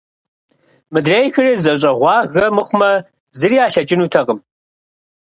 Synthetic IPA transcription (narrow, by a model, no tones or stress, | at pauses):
mɨdreːjxɨriːzɐɕ̬ʼɐʁʷɑːɣɐmɨχʷʊmɐ | zɨriaːɬɐt͡ʃʼɪnuːtʰɐqəm